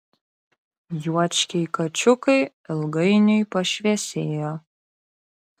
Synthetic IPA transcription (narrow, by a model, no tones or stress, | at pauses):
juɔt͡ʃʲkʲɛɪkɐt͡ʃʲʊkɐɪ | ɪlˠɡɐɪnʲʊjpɐʃʲʋʲɛɛsʲeːjoː